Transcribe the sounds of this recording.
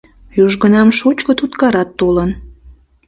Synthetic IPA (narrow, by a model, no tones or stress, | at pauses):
juʒɣənɑmʃut͡ɕkət̪ut̪kɑɾɑt̪ːolən